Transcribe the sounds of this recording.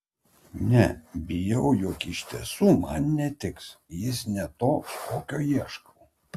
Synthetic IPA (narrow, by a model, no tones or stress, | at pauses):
nʲɛbʲɪjɛʊjʊkɪʃʲt̪ʲḭsuːmɑnnʲɛt̪ʲɪksjɪsnʲɛt̪oːskoːkʲoːjiɛʃko